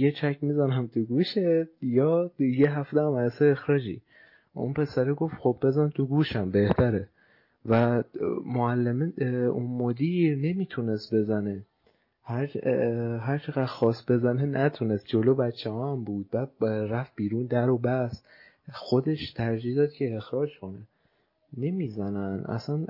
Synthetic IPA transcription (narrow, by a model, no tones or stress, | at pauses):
jet͡ʃʰæcʰmizænæmt̪ʰuɡuːʃejɒːjeɦæft̪eæmæseːxɾɒːd͡ʒḭː | ʔṵnpʰe̞sæɾeɡo̞ft̪xobbe̞zænt̪ʰuɡuːʃæmbe̞ht̪ʰæɾe | væmoælːemeunmod̪iɾne̞miːt̪ʰune̞st̪̚be̞zæne̞ | hæɾ | ɦæɾt͡ʃʰeɣæd̪̥xɒːsbe̞zænenæt̪ʰunest̪̚d͡ʒolobæt͡ʃʰːehɒːæmbuːd̪̚bæd̪̚ɾæfb̥iːɾuːnd̪æɾobæs | xo̞d̪e̞ʃt̪ʰæɾd͡ʒihd̪ɒːd̪̚cʰeːxɾɒːd͡ʒkʰo̞ne | ne̞miːzænænʔæ̰sæn